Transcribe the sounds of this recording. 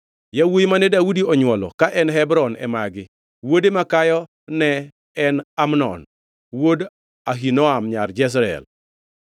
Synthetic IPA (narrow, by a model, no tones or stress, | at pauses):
jawojmanɛdaudiɔɲwɔlɔ̰kaʔɛnɦɛbɾɔnɛ̰maɡɪ | wodemakajɔ | nɛː | namnɔ̰n | wod | aɦinɔamɲard͡ʒɛs̬ɾɛ̰l